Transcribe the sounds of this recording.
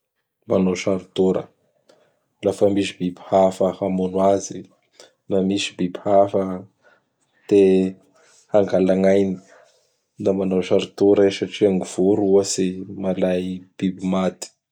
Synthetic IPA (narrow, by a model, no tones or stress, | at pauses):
manoʃaɾut̪uɾə̰ | lafəmisib̥ibihafəhamunwazi | namisi̥bibhafə | t̪e | haŋɡalaŋajni̥ | d̪amanoʃaɾut̪uɾəsaʈ͡ʂiaŋiv̥uɾuəsimalajb̥ibimad̪i̥